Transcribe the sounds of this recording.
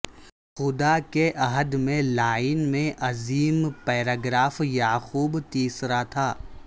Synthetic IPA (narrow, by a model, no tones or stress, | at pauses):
xʊd̪akeʔɐɦəd̪mẽlaːɪnmẽʔɐziːmpɛːɾaːɡɾaːfjaːxuːbt̪iːsɾat̪ʰaː